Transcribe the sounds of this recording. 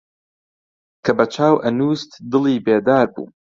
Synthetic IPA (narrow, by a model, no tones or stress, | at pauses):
kʰɐbɐt͡ʃʰaːwʔɐnuːst̪d̪ɨlˠiːbeːd̪aːɾbṵː